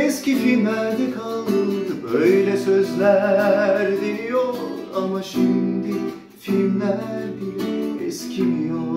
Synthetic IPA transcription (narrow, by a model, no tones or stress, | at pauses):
ɛscifilmlæɾd̪ɛkʰalˠɯd̪ɯbøjlʲɛsøzlʲæ | ɾd̪iijoɾ | amaʃimd̪i | filmlæɾd̪iɾɛscʰimijo